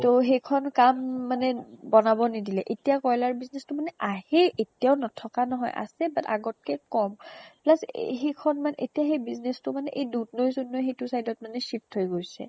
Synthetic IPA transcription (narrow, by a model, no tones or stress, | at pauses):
toɦejkʰɔnkamːanɛbɔnabɔnidilɛʔetijakɔjlaɹbiznestʊmanɛʔahɛʔetijaʊnɔtʰɔkanɔɦɔ̰jʔa̰sɛbata̰ɡɔt̚kɛkɔmplasɦejkʰɔnmanɛʔetijaɦejbiznestʊmanɛʔejdutnojzunːɔjxejtʊsajdɔt̚manɛʃip̚tʰhojɡojsɛ̰